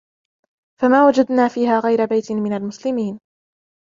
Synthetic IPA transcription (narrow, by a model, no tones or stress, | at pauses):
famaːwad͡ʒad̪naːfiːɦaːɣajɾabajt̪ɪmɪnalmʊslɪmiːn